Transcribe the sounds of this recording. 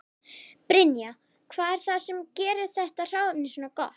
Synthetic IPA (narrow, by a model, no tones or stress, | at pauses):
pɾɪnja | kʰvaːðɛɾ̥θasɛmcɛːɾɪθɛht̪ar̥aːwapnɪsnakɔ̰t̪